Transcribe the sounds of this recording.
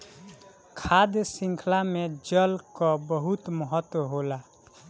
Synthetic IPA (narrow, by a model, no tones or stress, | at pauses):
kʰad̪jsĩŋkʰlamed͡ʒəlkɔbəɦut̪məɦət̪ːwəɦola